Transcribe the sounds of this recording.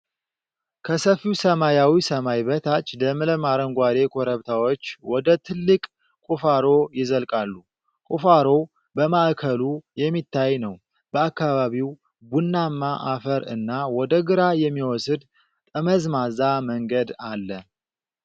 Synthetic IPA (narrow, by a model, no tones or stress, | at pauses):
kʰəsəfiwsəmajawisəmajβət̪ʰat͡ʃːləmɨləmaɾəŋɡʷad̪e̞kʰoɾəβt̪ʰawo̞t͡ʃːwɔd̪ət̪ʰɨlːɨkʼ | kʼufaɾo̞jɪzəlkʼalːu | kʼufaɾo̞ | bəmaʔkʰəlujɛmːit̪ːajnəw | b̥əakːaβaβiw | bunːamːaʔafəɾɨ̰nːawɔd̪əɡɨɾajɛmːiwɔsɨd̪ | t̪ʼəməzmazaməŋɡəd̪alːə